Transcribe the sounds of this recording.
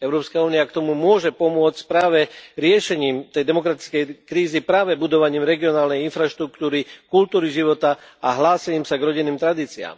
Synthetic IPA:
ɛʊɾɔːpskauːniakt̪ɔmumʊɔʒɛpɔmʊɔt͡scpɾaːʋɛɾɪɛʃɛɲiːmt̪ɛjd̪ɛmɔkɾat̪i̥t͡skɛjkɾiːzipɾaːʋɛbud̪ɔʋaɲiːmɾɛɡiɔnaːlnɛjinfɾaʃt̪ɾukt̪uːɾikult̪uːɾiʒiʋɔt̪aaɦlaːsɛɲiːmsaɡɾɔɟinːiːmt̪ɾad̪iːt͡sia̰ːm

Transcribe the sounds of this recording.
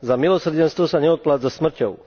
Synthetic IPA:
zamilosɾd͡ʑɛnst̪ʋɔsaɲɛɔt̪̚plat̪zasmr̩cʲɔw

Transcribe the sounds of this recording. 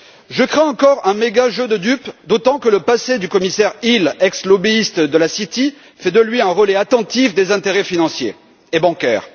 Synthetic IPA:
ʒəkχẽɑ̃kɔʁɛ̃meɡaʒød̪əd̪ypd̪ot̪ɑ̃kələpased̪ykɔmisɛʁilɛkslɔbiist̪d̪əlasit̪i | fɛd̪əlɥiɛ̃ʁəlɛat̪ɑ̃t̪ifd̪ezɛ̃t̪eʁɛfinɑ̃sjḛː | bɑ̃kʲɛ̰ːʁ

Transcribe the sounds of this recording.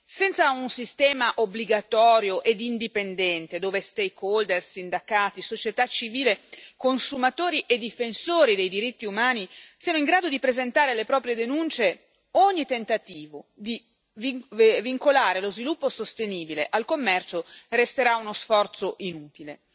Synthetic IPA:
sɛnt̪saunsist̪ɛːmaʔobliɡat̪ɔːɾjoʔed̪ind̪ipend̪ɛnt̪ed̪oːvest̪ejkːold̪ersind̪akaːt̪isot͡ʃet̪at͡ʃːiviːlekonsumat̪oːɾiʔed̪ːifensoːɾid̪ejd̪iɾit̪ːiumaːnisiːanoiŋɡɾaːd̪od̪ipɾezent̪aːɾelepɾɔːpɾjed̪enunt͡ʃe | oɲːit̪ent̪at̪iːvod̪i | vviŋkolaːɾelozvilupːosost̪eniːbileʔalkomːɛrt͡ʃorest̪eɾaunosfɔrt̪soʔinuːt̪ile

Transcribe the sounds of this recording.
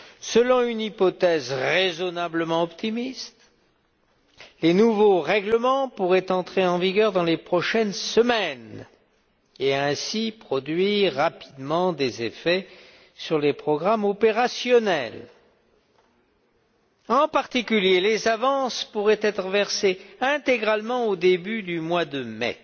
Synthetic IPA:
səlɔ̃ynipɔt̪ɛzʁezɔnabləmɑ̃ɔpt̪ʰimist̪ | lenuvoʁɛɡləmɑ̃puʁɛt̪ɑ̃t̪χeɑ̃viɡʲœʁd̪ɑ̃lepχɔʃɛnsəmɛn | eɛ̃sipχɔd̪ɥiʁːapi̥d̪mɑ̃d̪ezefɛ | syʁlepχɔɡʁamɔpeʁasjɔnɛl | ɑ̃paʁt̪ikʲyljelezavɑ̃spuʁɛt̪ɛt̪χəvɛʁseɛ̃t̪eɡʁalmɑ̃od̪ebyd̪ymwad̪əmɛ̰

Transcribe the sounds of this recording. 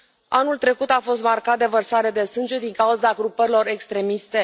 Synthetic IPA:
a̰nult̪ɾe̞kut̪afo̞st̪markat̪̚d̪e̞vərsaɾe̞d̪e̞sɨnd͡ʒed̪iŋkauzaɡɾupəɾilo̞ɾe̞kst̪ɾe̞mist̪e̞

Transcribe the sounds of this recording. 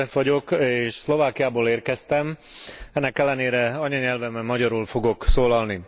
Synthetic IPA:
ɛfʋɒɟo̞keːʃslo̞vaːkijaːboːleːrkɛst̪ɛm | ɛnːɛkɛlːɛneːɾɛɒɲɒɲɛlvɛmːɛmːɒɟɒɾuːlfo̞ɡo̞ksoːlɒlni

